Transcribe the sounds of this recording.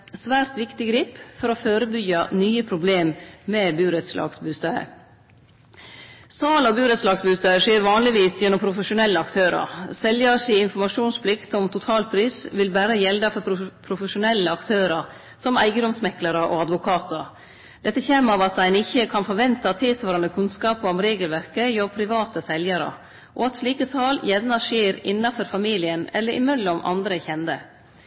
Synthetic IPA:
sʋæːɾt̪ʋɪkt̪ɪɡɾiːpfɔɾoføːɾəbʏɡɑnyːəpʰɾʊbleːmmɛbʉːɾɛt̪slɑ̰ːɡsbʉːst̪œə̰ | sɑːlɔbʉːɾət̪slɑːɡsbʉːst̪œəʂeːɾʋɑːnlɪʋiːsjɛnːʊmpʰɾʊfəʂʊnɛlːəɑkt̪ʰøːɾɑ̰ɾsɛljɑsiːɪnfɔɾmɑʂuːnspʰlɪkt̪ɔmt̪ʰʊt̪ʰɑːlpʰɾiːsʋɪlbæːɾəjɛld̪ɑfɔpʰɾʊfəʃʊnɛlːəɑkt̪ʰøːɾɑɾ | sɔmæ̰ɪɡəd̪ɔmsmɛkləɾəʔɔ̰ɑd̪ʋʊkʰɑːt̪ʰəɾ | d̪̥ɛt̪ːəçɛːmɑʋɑt̪̚d̪æɪnɪçːəkʰɑnfɔɾʋɛnt̪ɑt̪ʰɪlsʋɑːɾɑnəkʰʉnskɑːpɔmɾeːɡəlʋæɾkəjɔɾpʰɾɪʋɑːt̪əsɛljɑɾə̰ | ʔɔɑt̪sliːkət̪ʰɑːljɛʋnɑʂeːɾɪnːɑfɔɾfɑmiːlɪənɛ̰lːəɾʔɪ̰mœlːɔmʔɑ̰nd̪ɾəçɛnd̪ə

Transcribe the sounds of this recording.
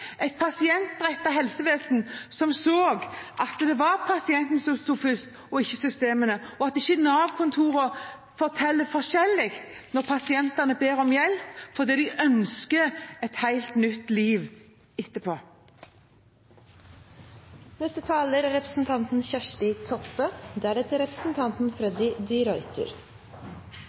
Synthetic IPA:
æɪt̪̚pʰɑsɪɛnt̪̚d̪ʁɛt̪ːɑɦɛlsəʋeːsn̩sɔmsoːɡʔɑt̪d̪ɛʋɑɾpʰɑsɪɛnt̪nsɔst̪uːfʏst̪ | ɔɪçːəsʏst̪eːmənəɔɑt̪ɪçːənɑːʋkʰʊnt̪ʰuːʁə | fɔʁt̪ʰɛlːəfɔʁʃɛlːɪkt̪nɔʁpʰɑsɪɛnt̪ɑnəbeːʁɔmjɛlpfɔd̪iːd̪ɪʔœnskəɛt̪hæɪlt̪nʏt̪ːliːʋ | ɪt̪ːəpʰoː | nɛst̪ət̪ʰɑːləɾɾɛpɾəsn̩t̪ʰɑnt̪n̩çæʂʈɪt̪ʰɔpːəd̪ɛæːɖɛt̪əɾɛpɾəsn̩t̪ʰɑnt̪n̩fɾɛd̪ɪd̪ɪɾɔʏt̪ʰʉ̰ɾ

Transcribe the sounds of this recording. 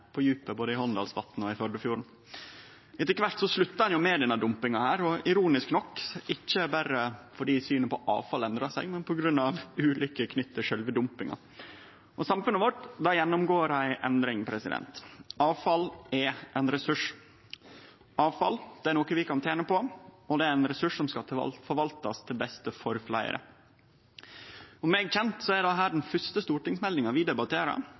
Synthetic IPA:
pʰɔjʉːpəboːd̪əɪhɔnd̪ɑ̰lsʋɑt̪ːn̩ɔɪfɔɖəfjuːɾɳ̩ | ɪt̪ɛkʋæʈsɔslʉt̪ːɑhɑnjʊmed̪ɛnːɑd̪ʊmpɪŋɑhæːɾɔɪɾuːnɪsknɔkːɪçːəbæɾəfɔɖiːsyːnəpɔʔɑ̰ːʋfɑlɛnd̪ɾɑsɛ̰ɡmɛnpʰɔɡɾʉnːɑʋʉːlʏkːəkʰnʏt̪ːəʂœlʋəd̪ʊmpɪŋɑ̰ | ʔɔsɑmfʉnəʋɔʈd̪ɑjɛnːɔmɡoːɾhæɪʔɛ̰nd̪ɾɪŋpʰɾɛsɪ̰d̪ɛ̰nt̪ɑːʋfɑlɛʔɛnɾɛsʉʂ | ɑːʋfɑ̰ld̪̥ɛæɾnoːkəʋɪkɑnt̪ʰeːnəpɔɔd̪ɛæɾɛnɾɛsʉʂsɔmskɑt̪ʰɪ̰lfɔɾʋɑlt̪ɑst̪ʰɪlbɛst̪əfɔɾflæ̰ɪə̰ɾə̰ | ɔmːɛːɡçɛnt̪sɔædɑɦæːɖɛnfœst̪əst̪uːʈɪŋsmɛlɪŋɑʋɪd̪ɛbɑt̪ʰeːɾɑ̰

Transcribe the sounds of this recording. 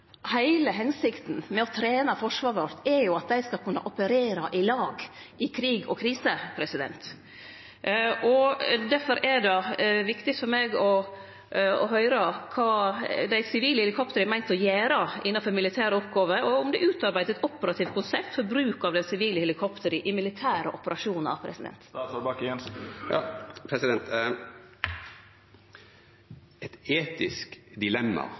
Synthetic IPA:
hæɪləɦɛnsɪkt̪n̩mɛɔt̪ʰɾeːnəfɔʂʋɑːɾʋɔɾt̪ʰɛɾjʊɑt̪̚d̪æɪskɑlkʰʉnːə̰ʔɔpəɾeːɾɑʔɪlɑːɡʔɪkʰɾiːɡɔ̰kʰɾiːsəpʰɾɛsɪd̪ɛ̰nt̪ | ʔɔd̪æɾfɔɾɛɖ̪ɛʋɪkt̪ɪt̪fɔɾmeːɡɔ | ɔ̰ɦœʏɾəkʰɑːd̪æɪsɪʋiːləhɛlɪkʰɔpt̪əɾəmæɪnt̪ɔjæːɾɑʔɪnːɑnfɔɾmɪlɪt̪ʰæːɾəɔpɡɑːʋəɔʊmd̪ɛʔʉːt̪ɑɾbæɪd̪ɛt̪ɔpəɾɑt̪ʰiːʋt̪kʊnsɛp̚t̪fɔɾbɾʉːkɑʋd̪ɛnsɪʋiːləhɛlɪkʰɔpt̪əɾəʔɪmɪlɪt̪ʰæːɾəʔɔpəɾɑʂuːnɑ̰ʋpʰɾɛ̰sɪd̪ɛ̰nt̪ːbɑkɛnɑpʰɾɛsɪd̪ɛnt̪ | ɛt̪eːt̪ɪskd̪ɪlɛmːɑ̰

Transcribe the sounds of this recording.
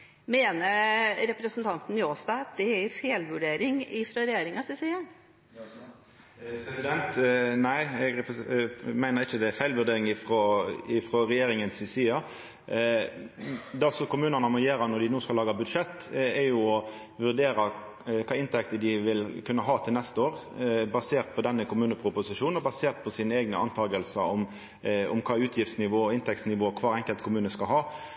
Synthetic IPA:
meːnəɾɾɛpɾəsənt̪ʰɑnt̪n̩ɪoːsd̪ɑːɑt̪̚d̪ɛæfeːlʋʉɖeːɾɪŋɪfɾɑɾɛjeːɾɪŋɑsɪsiːɑ | pɾɛsɪd̪ɛnt̪næɪɛɡ | mæɪnəʁɪçəd̪ɛæfæɪlʋʉʁɖeːɾɪŋɪfʁɔɪfɾɔɾɛjeːɾɪŋənsɪsiːɑ | d̪ɑsɔkʊmʉːnənɑmɔjeːɾɑnɔd̪ɪnuːskɑlɑːɡɑbʉd̪ʂɛt̪ːɛjʊɔ | ʋʉʁd̪eːɾɑ | kʰɑːɪnt̪ʰɛkt̪əd̪ɪʋɪlkʰʉnːəɦɑːt̪ʰɪlnɛst̪əoːɾbɑseːʁt̪̚pʰɔd̪ɛnːəkʰʊmʉːnəpʰʁʊpʊsɪʂuːnnɔbɑseːʁt̪̚pʰɔsiːnəeːɡnəɑnt̪ʰɑːɡəlsəɔm | ɔ̰mkʰɑːʉːt̪ʰjɪft̪snɪʋoːɔɪnt̪ʰɛksnɪʋoːkʰʋɑːʁɛŋkəlt̪kʰʊmʉːnəskɑlɦɑː

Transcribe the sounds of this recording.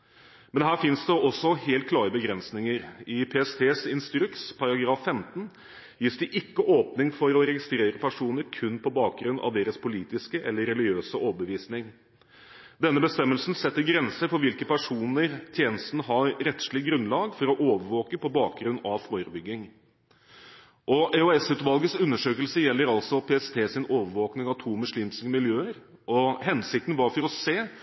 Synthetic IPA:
mɛnɦæːɾfɪnsd̪əʔɔsːɔheːlt̪̚kʰlɑːɾəbəɡɾɛnsnɪŋəɾɪpʰeːɛst̪ʰeːsɪnst̪ɾʉkspʰɑɾɑɡɾɑːfːɛmt̪n̩ | jiːsd̪ɪʔɪkːəʔoːpnɪŋfɔɾɔɾɛɡɪst̪ɾeːɾəpʰæʂuːnəɾkʰʉnːpʰɔbɑːk̚ɡɾʉnːɑ̰ʋd̪eːɾəspʰʊliːt̪ɪskəʔɛlːəɾɛlɪøːsəʔoːbəʋiːsnɪŋ | d̪ɛnːəbəst̪ɛmːəlsnsɛt̪ːəɾɡɾɛnsəɾfɔɾʋɪlkəpʰæʂuːnəɾt̪ʰjeːnəst̪nəɦɑɾɾɛt̪ʂɭɪɡɾʉnlɑːɡfɔɾɔʔoːʋəɾʋoːkəpʰɔbɑːk̚ɡɾʉnːɑʋfoːɾəbʏɡːɪŋ | ʔɔʔɛɔɛsʉːt̪ʋɑlɡəsʉnːəʂøːkəlsəjɛlːəɾɑlt̪sɔpʰeːɛst̪ʰeːsɪnoːʋəɾʋoːknɪŋɑʋt̪ʰuːmʉsɭɪmskəmɪljøːəɾ | ʔɔɦɛnsɪk̚t̪n̩ʋɑɾfɔɾɔseː

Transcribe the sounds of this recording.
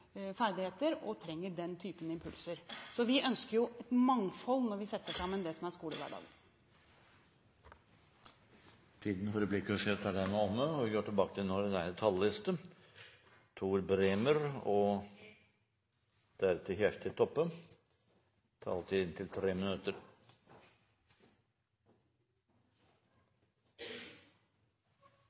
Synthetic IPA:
fæɾd̪ɪheːt̪əɾɔt̪ʰɾɛŋːəɖɛnt̪ʰyːpənəɪmpʰʉlsəɾsɔʋɪʔœnskəɾjʊɛt̪mɑŋfɔlnɔɾʋɪsɛt̪ːəʂɑmːənd̪ɛsɔmæɾskuːləʋæ̰ɖɑ̰ːɡən | t̪ʰiːd̪n̩fɔɾəblɪkːʂet̪æɖɛnɔnːəɔʋɪɡøːʈʰɪlbɑːkət̪ɪlnɔɾd̪æɾt̪ʰɑllɪst̪ə | t̪ʰuːɾbɾeːməɾɔ | d̪̥æɾɛt̪ʰəçæʂʈ̪ʰɪlt̪ʰɔpːə | t̪ʰɑ̰ːlt̪ʰiːd̪ɪnt̪ʰɪlt̪ʰɾeːmɪnʉt̪əɾ

